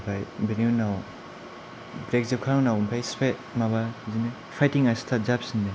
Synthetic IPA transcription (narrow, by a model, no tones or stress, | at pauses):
pʰajbenjunaw | bɾek̚zep̚kʰanawnawmpʰajspʰet̚maβazine | pʰajtiŋastʰazap̚sinde